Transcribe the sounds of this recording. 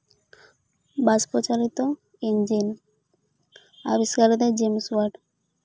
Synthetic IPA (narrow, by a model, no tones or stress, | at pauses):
baspɾot͡ʃalit̪o | end͡ʑin | a̰biskaɾɔd̪ɛd͡ʑemsuaɾɖ